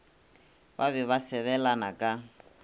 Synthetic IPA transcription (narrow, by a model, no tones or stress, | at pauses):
βaβɛβasɛβɛlanakʼa